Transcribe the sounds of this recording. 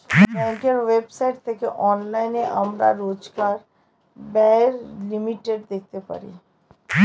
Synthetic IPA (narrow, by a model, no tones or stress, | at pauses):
bɛ̃ːŋkəɾʋeːbsaɪʈt̪ʰekeʔɔːnlaɪneʔɐmɾa̰ɾoːd͡ʒɡaːɾ | bɛɦɾlɪmiʈeɖd̪eːk̚ʰt̪epɐ̰ɾḭː